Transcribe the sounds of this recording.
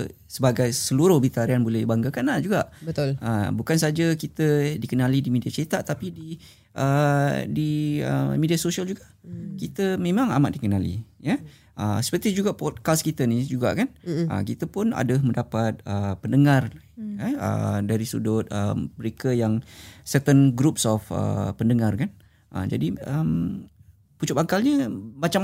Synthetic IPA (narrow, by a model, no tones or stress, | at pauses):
səbaɡajsəluɾʊhbit̪aɾianbolɛibaŋɡakanahd͡ʒuɡaʔbət̪ʊləbukans̬ad͡ʒakit̪ədikənalidimidiat͡ʃəit̪aʔt̪apidi | ʔədiə̰midiasosiald͡ʒuɡaʔkit̪əmẽmãŋa̰ma̰t̪̚dikənalḭjə | ʔəsə̥pərt̪id͡ʒuɡaʔpɔd̪̚kaskit̪ənid͡ʒuɡa̰ʔkanə̰kit̪əpʊna̰dəmə̃ndapat̪̚əpəndəŋar | əə̰daɾisṵdʊt̪̚ə̰məɾekəjaŋsət̪ənɡɾup̚sɔfə̰pəndəŋarkan | ʔə̰d͡ʒa̰diəm | put͡ʃʊpakalɲəmat͡ʃa